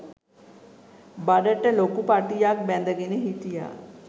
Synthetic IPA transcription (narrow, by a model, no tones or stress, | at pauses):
baɖəʈəloːkupaːɾʈijaːk̚bɛ̃ːnd̪əɡeneɦit̪ija̰ː